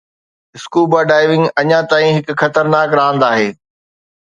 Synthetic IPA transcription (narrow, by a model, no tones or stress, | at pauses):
ɪskuːbaːɖaːɪʋɪ̃ŋɡɐɲãt̪aːĩɦɪkxɐt̪əɾnaːkɾaːə̃nd̪aːɦeː